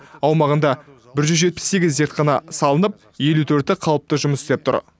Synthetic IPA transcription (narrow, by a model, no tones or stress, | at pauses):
ɑwmɑʁənd̪ɑ | bɪɾʒʏzʒet̪̚pɪ̥sːe̞ɡʲɪzːeɾt̪̚qʰɑnɑsɑlˠənəp̚ | je̞lut̪ʰɵɾt̪ɪqʰɑlˠəp̚t̪əʒʊməsɪ̥st̪ep̚t̪ʰʊ̰ɾ